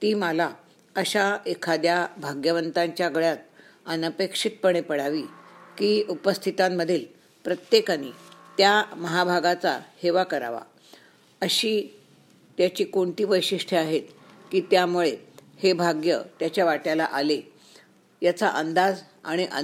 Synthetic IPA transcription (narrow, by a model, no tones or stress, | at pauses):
t̪iːməla | əɕaekʰad̪jabʱaɡjəʋənt̪aɲt͡ɕjaɡəɭjat̪̚ənəpekʂit̪̚pəɳ̃epəɽ̤aʋiːkiːupəst̪ʰit̪amːəd̪ʱiːl | pɾət̪jekanḭːt̪jaməɦabʱaɡat͡sa̰heʋakəɾa̰ʋa̰ | əɕiː | t̪jat͡ɕiːkoɳʈ̪iːʋəjɕiʂʈʰəaɦet̪kiːt̪jamuɭehebʱaɡjət̪jat͡ɕjaʋaʈjala̰ʔale | jat͡sa̰ʔənd̪ad͡z | a̰ɽ̃iʔə